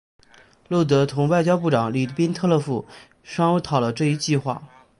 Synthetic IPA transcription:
lo˥˩t̪̬ɤ˧˥t̪ʰʊ˧˥ŋwa˥˩ɪt͡ɕjɑ˥ʊpu˥˩ʈ͡ʂɑ˨˩ŋli˨˩pi˥nt̪ʰɤ˥˧lɤ˥˧fu˥˩ | ʂɑ˥ŋ˥t̪ʰɑ˨˩ʊlə˦ʈ͡ʂɤ˥˧i˧˥t͡ɕi˥˧xwa̰˥˩

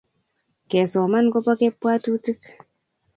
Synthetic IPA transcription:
kɛ˨sɔ˨ma˦nko˦pa˦ke˦pːwaː˦tu˦ti˦k

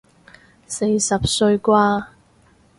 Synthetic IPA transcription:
se˧jsɐ˨p̚sɵ˧ɥkʷaː˧

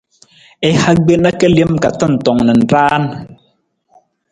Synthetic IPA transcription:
e˨ha˦ɡ͡be˦na˦kɛ˦lje˦mka˨tɔ˦n̩˨tɔ˨ŋnɛ˨n̩˨taː˦n

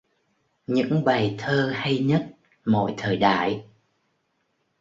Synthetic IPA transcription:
ɲɨ̰˧˥ŋɓa˨˩jt̪ʰəː˧ha˧jɲə˦˥t̚ | mo̰˧˨jt̪ʰəː˨˩jɗa̰ː˧˨j

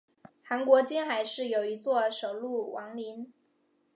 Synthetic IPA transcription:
xa˧˥nkwɔ˧˥t͡ɕi˥nxa˨˩ɪʂɻ̩˥˩jo˨˩ʊi˧˥t͡swɔ˥˩ʂo˨˩ʊlu˥˩wʔɑ˧˥ŋli˧˥n

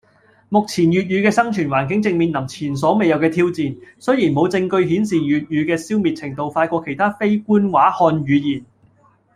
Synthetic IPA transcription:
mʊ˨k̚t͡sʰiː˨˩njyː˨˩t̚jyː˨˧kɛː˧sɐ˥ŋt͡ʃʰyː˨˩nwaː˨˩nkɪ˨˥ŋt͡sɪ˧ŋmiː˨˧nlɐ˨˩mt͡sʰiː˨˩ns̬ɔː˨˥me˨jɐ˨˧wkɛː˧t̪ʰiː˥wt͡siː˨nsɵ˥jiː˨˩nmo˨˧wt͡sɪ˧ŋkɵ˧ɥɦiː˨˥nsiː˨jyː˨t̚jyː˨˧kɛː˧si˥wmi˨t̚t͡sʰɪ˨˩ŋt̪o˧wfaː˧jkʷɔː˧kʰe˨˩jt̪ʰaː˥fe˥jkuː˥nwaː˨˥hɔː˧njɥyː˨˧jiː˨˩n

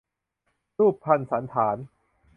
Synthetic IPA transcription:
ɾuː˥˩pʰːa˧nsa˩˦nt̪ʰaː˩˦n

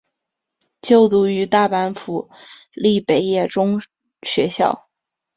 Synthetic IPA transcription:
t͡ɕjo˥˩ʊt̪u˧˥y˧˥t̪a˥˩pa˧˥nfu˨˩li˥˩pe˨˧˩ɪjɛ˥˩ʈ͡ʂʊ˥ŋ | ɕɥɛ˧˥ɕjɑ̰˥˩ʊ

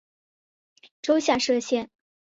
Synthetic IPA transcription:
ʈ͡ʂo˥ʊɕja˥˧ʂɤ˥˧ɕjɛ˥˩n

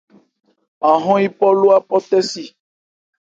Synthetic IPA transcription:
a˨ɦɔ̃˦i˦pɔ˦lo˦a˦pɔ˦t̪ɛ˦si˨

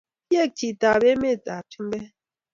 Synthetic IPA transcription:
je˦˨k̚ti˨ta˨be˦me˦˨ta˨ti˦m˦bɛ˦

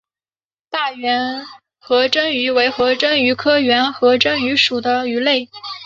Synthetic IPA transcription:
t̪a˥˩ɥɛ˧˥n | xɤ˧˥ʈ͡ʂə˥ŋy˧˥we˧˥ɪxɤ˧˥ʈ͡ʂə˥ŋy˧˥kʰɤ˥ɥɛ˧˥nxɤ˧˥ʈ͡ʂə˥ŋy˧˥ʂu˨˩d̪ə˦y˧˥le˥˩ɪ

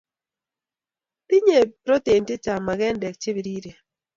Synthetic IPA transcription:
ti˦ɲe˨pɾo˦t̪e˨nte˦t͡ʃa˨ma˨ɡɛ˦ndɛ˨k̚t͡ʃe˦bi˨ɾi˦ɾe˨

